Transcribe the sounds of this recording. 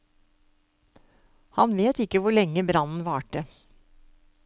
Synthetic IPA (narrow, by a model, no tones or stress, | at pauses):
hɑnʋeːt̪ɪkːəʋʊɭɛŋːəbɾɑnn̩ʋɑːʈə